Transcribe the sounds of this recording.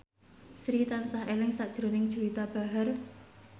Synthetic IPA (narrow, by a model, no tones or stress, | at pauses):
sɾit̪ansaɦelɪŋsaʔd̥ʒ̥ɾonɪŋd̥ʒ̥uwit̪ab̥a̤ɦər